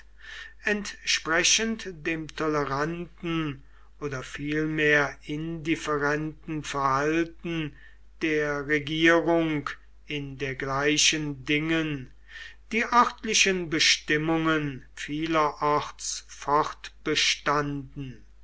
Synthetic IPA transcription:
ɛntʃpʁɛʃəntd̥eːmtʰɔləʁantn̩ | ʔoːdɐfiːlmeːɐɪndɪfɛʁɛntn̩fɛɐhaltn̩ | d̥eːɐʁeɡiːʁʊŋk | ɪndeːɐɡlaɪʃəndɪŋən | d̥iːʔœʁtlɪʃənbəʃtɪmʊŋənfiːlɐʔɔʁtsfɔʁtb̥əʃtandn̩

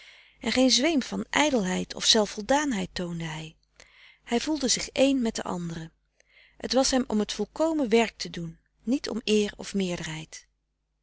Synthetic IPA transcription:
ʔɛnχejnzʋejmvɑnʔɛjdəlˠɦɛjtʰɔ̰fsɛlˠfɔlˠdaːnɦɛjtowndəɦɛj | hɛjvulˠdəzɪχejnmɛtdə̰ʔɑ̰ndərə | hə̰tʋɑsɦɛmɔ̰mɦətfɔlˠkowməʋɛɹk̚tədunː | itɔ̰mɪːɹɔ̰fmɪːɹdəɹɦɛjt

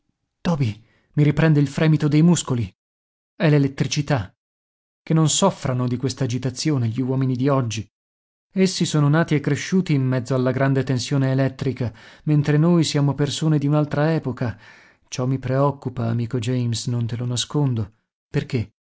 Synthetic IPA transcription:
t̪ɔːbi | miɾipɾɛnd̪eilfɾɛːmit̪od̪ejmuskoli | ɛlelet̪ːɾit͡ʃit̪a | k̟enːonsɔfːɾʔanod̪ikwest̪aːd͡ʒit̪at̪sːjoːneʎiwɔːminid̪iɔd͡ʒːi | esːisoːnonaːt̪iekːɾeʃːuːt̪iːmːɛd̪zːoalːaɡɾand̪et̪ensjoːneːlɛt̪ːɾikament̪ɾenojsjaːmopersoːned̪iunalt̪ɾaɛːpoka | t͡ʃɔmːipɾeɔkːupaːmiːkod͡ʒɛjmsnont̪elonaskond̪o | perke

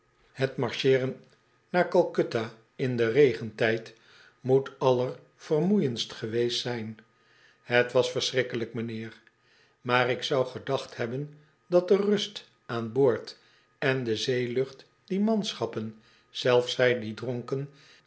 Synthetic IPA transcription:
hətmɑɹʃɪːrən | naːɹkɑlˠkøta | ɪndərejχəntɛjt | mutɑlər | v̥ərmujənstχəʋejstsɛjn | ɦətʋɑsfəɹsrɪkələkmənɪːr | maːrɪksɑwχədɑχthɛbən | dɑt̚dərɵst | aːnbʊːɹt | ɛndəzejlɵχt | d̥imɑnsχɑpən | z̥ɛlˠfsɛjdidroŋkən

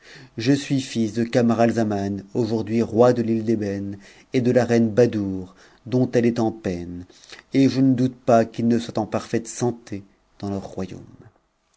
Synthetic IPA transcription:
ʒəsɥifisd̪əkamaʁalzamanoʒuʁd̪ɥiʁwad̪əlild̪ebɛn | ed̪əlaʁɛnbad̪uʁ | d̪ɔ̃t̪ɛlɛt̪ɑ̃pɛn | eʒənəd̪ut̪pakilnəswat̪ɑ̃paʁfɛt̪sɑ̃t̪e | d̪̥ɑ̃lœʁːwajo̰m

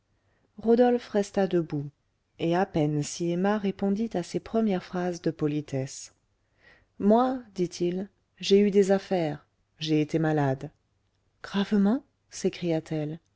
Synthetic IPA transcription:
ʁod̪ɔlfʁɛst̪ad̪əbu | eapɛnsiemaʁepɔ̃d̪it̪asepχəmjɛʁfχazd̪əpɔlit̪ʰɛs | mwad̪it̪ʰil | ʒeyd̪ezafɛʁ | ʒeet̪emalad̪ | ɡ̥ʁavmɑ̃ | sekχijat̪ʰɛl

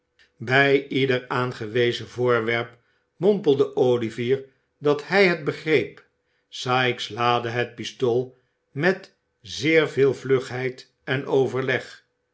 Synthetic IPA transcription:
bɛjidəɹaːnχəʋejzəvʊːɹʋɛɹp | mɔmpəl̩ˠdəʔowliviːɹ | dɑthɛjɦəd̚bəχrejp | saːɪkslaːdəɦət̚pistolˠ | mɛt | zɪːɹvɪːlˠvløχɦɛjt | ɛnowvəɹlɛχ

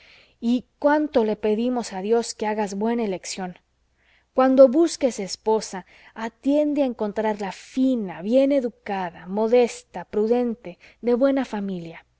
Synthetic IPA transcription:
ikwant̪o̞le̞pe̞ðimo̞saðjo̞ske̞aɣazβwe̞naele̞ksjo̞n | kwand̪o̞βuske̞se̞spo̞saː | t̪je̞nd̪eaeŋko̞nt̪ɾaɾlafinaβje̞ne̞ðukaðamo̞ðe̞st̪apɾuðe̞nt̪e̞ðe̞βwe̞nafamilja

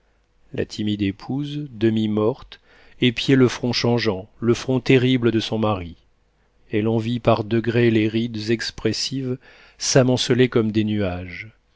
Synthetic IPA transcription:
la̰t̪ʰimid̪epʰuzd̪əmimɔʁt̪ | epjeləfχɔ̃ʃɑ̃ʒɑ̃ləfχɔ̃t̪eʁibləd̪əsɔ̃maʁi | ɛlɑ̃vipaʁd̪əɡʁeleʁid̪zɛkspχesiv | samɔ̃səlekɔmd̪enyaʒ

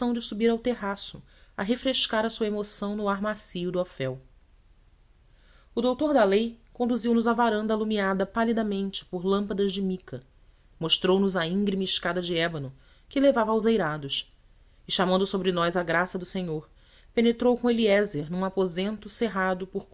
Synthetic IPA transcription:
ɐ̃w̃d͡ʒɪsubiɾawt̪eɦasʊ | ɐɦefɾeʃkaɾɐsuɐemosɐ̃w̃nʊaɾmasijʊd̪ʊofɛw | ʊd̪owt̪oɾd̪ɐlejkõnd̪uziwnʊzɐvaɾɐ̃nd̪ɐːlumiad̪ɐpalid̪ɐmẽnt͡ʃɪ̥pʊɾlɐ̃mpɐd̪ɐzd͡ʒɪmikɐ | moʃt̪ɾownʊzɐĩŋɡɾimɐɪʃkad̪ɐd͡ʒɪɛbɐnʊ | kɪlevavɐawzejɾad̪ʊs | ɪʃamɐ̃nd̪ʊsobɾɪnɔjzɐɡɾasɐd̪ʊsẽɲoɾ | penet̪ɾowkõeliɛzeɾnũapozẽnt̪ʊseɦad̪ʊpʊɾ

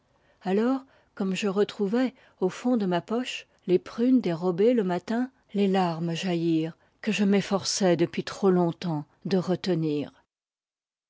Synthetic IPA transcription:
alɔʁ | kɔmʒəʁət̪χuvɛ | ofɔ̃d̪əmapɔʃ | lepχynd̪eʁɔbeləmat̪ɛ̃ | lelaʁmʒajiːʁ | kəʒəmefɔʁsɛd̪əpɥit̪χolɔ̃t̪ɑ̃ | d̪əʁət̪əniːʁ

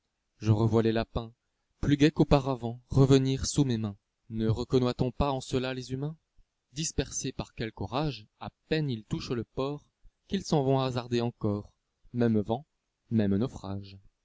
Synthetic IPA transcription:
ʒəʁəvwalelapɛ̃ | plyɡɛkopaʁavɑ̃ʁəvəniʁsumemɛ̃ | nəʁəkɔnwat̪ɔ̃paɑ̃səlalezymɛ̃ | d̪ispɛʁsepaʁkʲɛlkɔʁaʒapɛnilt̪uʃləpɔʁ | kʲilsɑ̃vɔ̃azaʁd̪eɑ̃kɔʁ | mɛmvɑ̃ | mɛmnɔfχaʒ

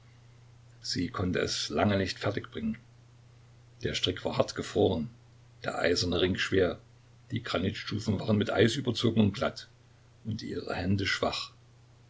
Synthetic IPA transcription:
z̥iːkʰɔntə̰ɛ̰slaŋənɪçtfɛɐtɪçb̥ʁɪŋən | d̥eːɐʃtʁ̥ɪkv̥aːɐhaɐtɡ̥əfʁ̥oːʁən | d̥eːɐʔa̰ɪzɐnəʁɪŋʃv̥eːɐ | d̥iːɡ̥ʁanɪtʃtuːfn̩vaːʁənmɪtʔa̰ɪsʔyːbɐt͡soːɡŋ̩ʊnɡlat | ʔʊntʔḭːʁə̰hɛndəʃv̥aχ

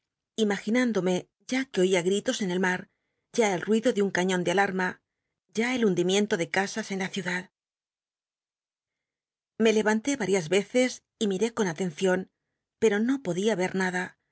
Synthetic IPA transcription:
imaxinãnd̪o̞me̞ | ʝakeo̞iaɣɾit̪o̞se̞ne̞lmaɾ | ɟ͡ʝaelrwiðo̞ðeuŋkaɲõ̞nd̪ealaɾma | ʝae̞lund̪imje̞nt̪o̞ðe̞kasase̞nlaθjuðað | me̞le̞βant̪e̞βaɾjazβe̞θe̞s | imiɾe̞ko̞nat̪e̞n̟θjo̞n | pe̞ɾo̞no̞po̞ðiaβe̞ɾnaða

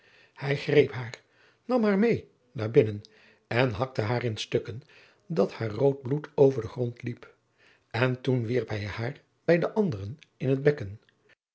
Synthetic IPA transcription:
hɛjχrejpɦaːɹ | nɑmɦaːɹmej | naːɹbɪnən | ɛnɦɑk̚təɦaːɹɪnstøkən | dɑthaːɹrowd̚blutʰowvəɹdəχrɔntlip | ɛntunʋiɹpɦɛjhaːɹ | b̥ɛjdəʔɑndərənɪnɦəd̚bɛkən

